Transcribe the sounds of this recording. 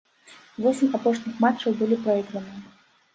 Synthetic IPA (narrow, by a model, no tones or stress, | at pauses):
vɔsʲɪmʲapɔʂnʲixmat͡ʂːɐwbɨlʲipɾaid̪ɾɐnɨ